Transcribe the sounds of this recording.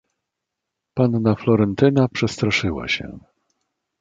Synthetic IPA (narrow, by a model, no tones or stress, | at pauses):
panːaflɔɾɛnt̪ɘnapʂɛst̪ɾaʂɘwa̰ɕɛ̰